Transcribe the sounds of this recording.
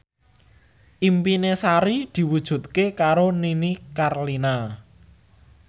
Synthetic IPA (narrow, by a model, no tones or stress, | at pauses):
ʔimpinesaɾid̪̥i̤wud̥ʒ̥ṳt̪̚kekaɾoninikarlina